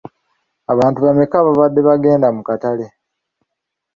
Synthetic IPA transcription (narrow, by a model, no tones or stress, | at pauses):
aβaːntuβamekaβaβad̪ːe̞βaɡe̞ːndamukatale̞